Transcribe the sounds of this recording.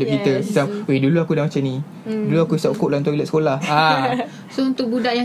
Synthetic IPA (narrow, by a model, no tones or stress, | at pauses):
duʔkit̪əsisaweduluakudamat͡ʃamnĩ | duluakuisaʔukoʔlaunt̪uilaʔskolaha | sount̪ʊʔ̚budaʔja